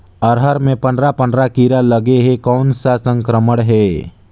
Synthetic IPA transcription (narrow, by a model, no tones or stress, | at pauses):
əɾɦəɾmẽpə̃ndɾapə̃ndɾakiːɾaləɡeɦekɔːnsasə̃ŋkɾəməɽɦɛː